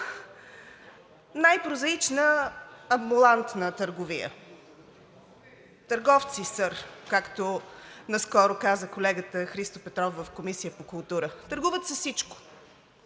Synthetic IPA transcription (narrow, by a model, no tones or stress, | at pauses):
najpɾʊzɐit͡ʃnəː | mbulˠant̪nət̪əɾɡʊvijə̰ | t̪əɾɡɔft̪sisəɾkakt̪onɐskɔɾʊkazəkolɛɡət̪əxɾist̪opɛt̪ɾɔfːəfkomisijəpokʊlˠt̪uɾət̪əɾɡuvət̪sɛsit͡ʃko̥